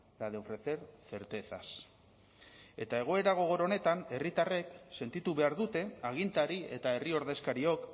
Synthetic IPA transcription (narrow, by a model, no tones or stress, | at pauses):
laðeo̞fɾe̞θe̞ɾθe̞ɾt̪e̞θas | e̞t̪ae̞ɣ̞o̞e̞ɾaɣ̞o̞ɣ̞o̞ɾone̞t̪ane̞rit̪are̞kse̞nt̪it̪uβe̞aɾðut̪e̞aɣ̞int̪aɾie̞̰t̪ae̞rio̞ɾðe̞skaɾio̞k